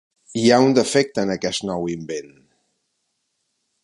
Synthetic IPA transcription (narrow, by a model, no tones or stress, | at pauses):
iaund̪əfɛk̚t̪ənəkɛst̪nɔwimben